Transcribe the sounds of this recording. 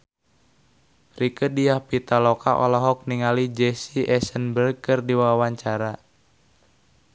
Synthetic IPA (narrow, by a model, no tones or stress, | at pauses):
rikədiahpit̪alɔkaʔɔlɔɦɔk̚niŋalid͡ʒɛsiʔɛsənbərɡ̚kɨrdiwawaɲt͡ʃaɾa